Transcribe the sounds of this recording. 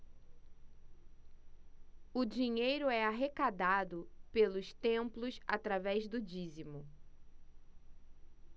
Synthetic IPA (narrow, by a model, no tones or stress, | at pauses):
ʊd͡ʒiɲejɾʊɛaɦekad̪ad̪ʊpelʊst̪ẽmplʊsa̰t̪ɾavɛzd̪ʊd͡ʒizimʊ